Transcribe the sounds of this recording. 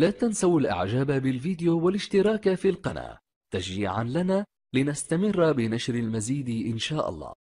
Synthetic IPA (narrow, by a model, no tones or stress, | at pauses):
laːt̪ansawalʔa̰ʕd͡ʒaːbabɪlfiːd̪ɪjowalɪʃt̪ɪɾˤɑːkafiːlqɑna̰ː | t̪aʃiːʕanlanaː | lɪnast̪amɪrːbɪnaʃɾalmaziːd̪ʔɪnʃaːʔɑ̰lˤːɑ̰ː